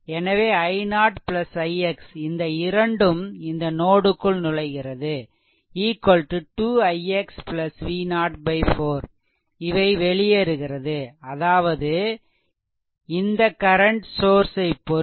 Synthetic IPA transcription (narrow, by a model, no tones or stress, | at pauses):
ɛnɐʋeːɐɪnaːʈpɭɐsɐɪɛksɪnd̪ɐɪɾɐɳɖɯmɪnd̪ɐnoːɽɯkːɯɭnʊɻɐɪɣɪrɐðɯ | iːkːɐlʈɯʈuːɐɪɛkspɭɐsʋiːnaːʈ̚bɐɪfoːɾ | ɪʋɐɪʋɛɭɪjɛɾɯɣɪrɐðɯɐðaːʋɐðɯ | ɪnd̪ɐkɐɾɐɳʈsoːɾsɐɪpːɔ